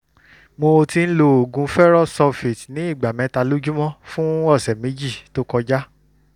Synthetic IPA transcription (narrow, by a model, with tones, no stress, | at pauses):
mo˧ti˧n̩˦lo˧o˨ɡũ˧˦fɛ˦ɾɔ˦˨sɔ˧fi˨tnĩ˨˦i˦˨ɡ͡ba˨mɛ̃˨˦ta˧lo˦d͡ʒũ˦mɔ̃˦fũ˦ɔ˦˨sɛ˨mẽ˨˦d͡ʒi˦˨to˦kɔ˧d͡ʒa˦